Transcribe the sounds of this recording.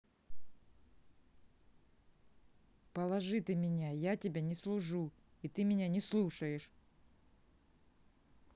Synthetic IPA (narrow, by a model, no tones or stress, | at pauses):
pəlˠɐʐɨt̪ɨmʲɪnʲajatʲɪbʲanʲɪslˠʊʐu | it̪ɨmʲɪnʲanʲɪslˠuʂəjɪʂ